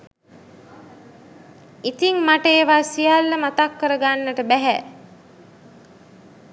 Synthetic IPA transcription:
it̪iŋmaʈəeʋasijalːəmat̪akːəɾəɡanːəʈəbæɦæ

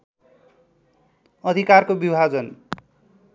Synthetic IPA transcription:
ʌd̪ʱikarkobibʱad͡zʌn

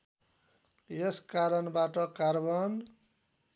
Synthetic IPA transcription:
jeskaɾʌnbaʈʌkarbʌn

